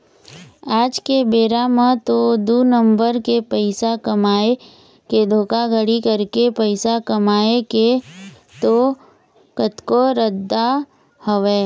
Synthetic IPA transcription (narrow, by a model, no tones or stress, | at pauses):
aːd͡ʒkebeːɾamə̃t̪od̪uːnə̃mbəɾkepəɪsakɐmaːe | ked̪ʱoːkaɡəɽikɐɾkepəɪsakɐmaːeke | t̪o | kət̪koɾəd̪ːa | həʋeː